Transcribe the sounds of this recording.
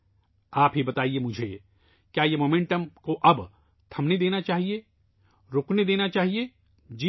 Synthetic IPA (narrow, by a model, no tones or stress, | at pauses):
aːpɦibɐt̪aːiemʊd͡ʒʱḛ | kjaːjemoːmẽɳʈəmkoʔɐb | t̪ʰɐmned̪eːnat͡ʃaːɦie | ɾoːkned̪eːnat͡ʃaːɦie | d͡ʒi